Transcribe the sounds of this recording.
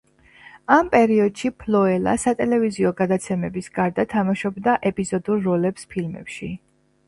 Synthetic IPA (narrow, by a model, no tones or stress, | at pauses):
ampʼɛɾiɔd̪̥ʃipʰlɔɛla̰sat̪ʼɛlɛviziɔɡad̪at̪sʰɛmɛbisɡaɾd̪at̪ʰamaʃɔbd̪aʔɛpʼizɔd̪ulˠɾɔlɛpspʰilmɛ̰pʃi